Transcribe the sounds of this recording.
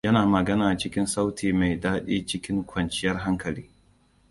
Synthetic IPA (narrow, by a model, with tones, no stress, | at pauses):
jɐ˦naː˨mɐ˨ɡɐ˦naː˨t͡ʃɪ˦kʲɪ˦nsa˦wtʰiː˨ma˨jdaː˦ɗiː˦t͡ʃɪ˦kʲɪ˦ŋkʷʰɐ˨nt͡ʃɪ˦jɐ˦rɦa˦ŋkɐ˨liː˦